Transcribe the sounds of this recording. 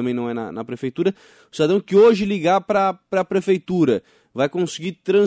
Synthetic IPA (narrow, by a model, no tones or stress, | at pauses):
ɐ̃mẽj̃nɐ̃w̃ɛnɐ̰nɐpɾefejt̪uɾɐ | ʊsid̪ad̪ɐ̃w̃kɪoʒɪliɡapɾɐpɾɐpɾefejt̪uɾɐ | vajkõsɪɡiɾt̪ɾɐ̃